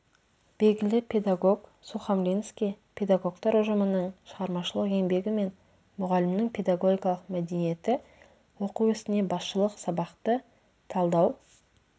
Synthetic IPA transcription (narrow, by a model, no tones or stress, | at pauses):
b̥e̞lɡʲɪlɪpʲʰe̞d̪aɡo̞ɡsuχɑmlʲinskʲijpʰe̞d̪aɡo̞kt̪ɑɾʊʒəmənəɴʃəʁɑɾmɑʃəlˠəqe̞mbe̞ɡʲɪme̞n | mʊʁɑlɪmnɪɴpʰʲe̞d̪aɡo̞ɡʲijkɑlˠəqmæd̪e̞nije̞t̪ɪ | wo̞quwʏst̪ɪne̞bɑsʃəlˠəqsɑbɑqt̪ə | t̪ʰɑlˠd̪ɑw